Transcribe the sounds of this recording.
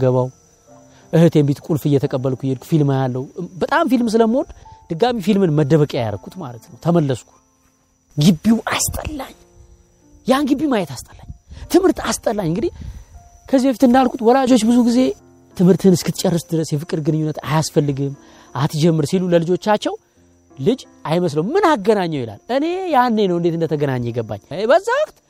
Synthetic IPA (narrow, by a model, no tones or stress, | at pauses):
ɡəβaw | ʔɨhɨt̪jembit̪kʷʼulfɨjɛt̪ʰəkʼəbːəlkʷʰujɛlkʰʷu̥filmajalːəwbət̪ʼamfilms̬ɨləmo̞d̪d̪̥ɨɡamifilmɨnməd̪əβəkʼaja̰ɾəkʰːut̪ma̰lət̪nəwt̪ʰəməlːəskʰu̥ | ɡɨbːiwʔast̪ʼəlːaɲː | janɡɨbːimajɛt̪ast̪ʼə̥lːaɲːt̪ʰɨmhɨɾt̪ast̪ʼəlːaɲːɨŋɡɨd̪ih | kʰəzːibəfit̪ɨnd̪alkʰut̪wɔlad͡ʒo̞t͡ʃːbɨzuɡize̞ | t̪ʰɨmhɨɾt̪ʰɨnɨskʰɨt̪ʰːt͡ʃʼɛrːəsd̪ɨɾəsjɛfɨkʼːɨɾɡɨnɨɲːunːət̪a̰jasfəlːɨɡɨm | ʔat̪ʰd͡ʒɛmːɨɾsiluləlɨd͡ʒo̞t͡ʃːat͡ʃːɛw | lɨd͡ʒ | ajməs̬ləwmmɨnaɡːənaɲːəwjɪla̰lːɨne̞janːe̞nəwɨnd̪et̪ɨnd̪ət̪ʰəɡənaɲːɛjɛɡəbːa̰ɲːbəzːawɔkʼt̪